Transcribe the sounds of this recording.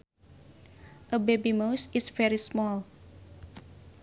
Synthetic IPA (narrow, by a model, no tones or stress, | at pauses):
ʔəbebimowsɪsvɛɹismɔl